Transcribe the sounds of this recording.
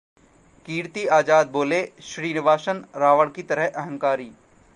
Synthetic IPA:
kiːɾt̪iaːd͡ʒaːd̪̚boːleʃɾiːnɪʋaːʃənɾaːʋəɽkit̪ɐɾəɦʔɛɦə̃ŋkaːɾiː

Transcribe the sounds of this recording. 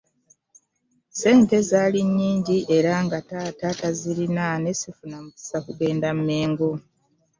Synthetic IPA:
se̞ːnte̞zaːliɲːiːɲɟiʔe̞ɾaŋɡatatataziɾinane̞sifunamuki̥sakuɡe̞ːndamume̞ːŋɡo

